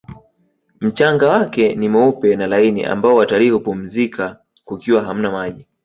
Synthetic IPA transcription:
m̩t͡ʃaŋɡawakɛnimɔupɛnalainḭʔa̰mbaɔwatalihupum̩zika | kukiwaɦam̩namaʄi

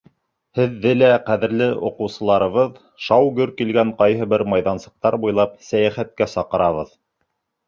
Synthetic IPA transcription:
hɘ̆ðːɘlæqæðɘ̆ɾlɘʔŏqɤ̆wsɤ̆lˠɑɾɤ̆βɤð | ʃɑwɡɵɾkilɡæŋqɑjɦɤ̆bɘɾmɑjðɑnsɤ̆q̚t̪ɑɾbujlˠɑpsæjæχæt̪̚kæsɑqɤ̆ɾɑβɤð

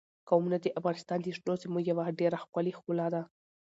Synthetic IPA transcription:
kawmunad̪əʔafɣɑnɪst̪ɑnd̪əʃnozemuɡjawaɖeɾaxkalixkulɑd̪a

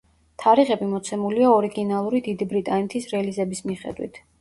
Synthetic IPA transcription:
t̪ʰaɾiʁɛbimɔt̪sʰɛmuliaɔɾiɡinalˠuɾid̪id̪ibɾit̪ʼanɛt̪ʰisɾɛlizɛbismiχɛ̰d̪wḭt̪ʰ

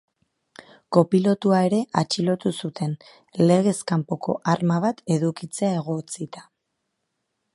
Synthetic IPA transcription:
ko̞pilo̞t̪uae̞ɾe̞ʔat͡ʃilo̞t̪usut̪ʰe̞n | le̞ɣ̞e̞skampo̞ko̞̰ʔaɾmaβat̪e̞ðukit͡se̞ae̞ɣ̞o̞t͡sit̪ḁ

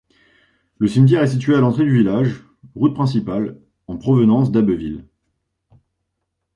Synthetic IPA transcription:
ləsimt̪̬jɛʁɛs̬it̪ɥealɑ̃t̪χed̪yvilaʒ | ʁut̪̚pχɛ̃s̬ipal | ɑ̃pχɔvənɑ̃s̬d̪abəvil

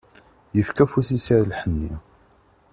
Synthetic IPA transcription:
jəfkæfuθisaɾlħənːi

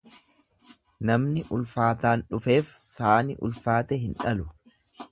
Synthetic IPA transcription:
nɐmnɪʔʊlfaːt̪aːnᶑʊfe̞ːfsaːnɪʔʊ̰lfaːt̪ɛɦɪnᶑɐlʊ

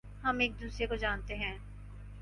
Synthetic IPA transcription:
hɐmeːk̚d̪uːsɾekod͡ʒaːnt̪eɦɛ̃ː

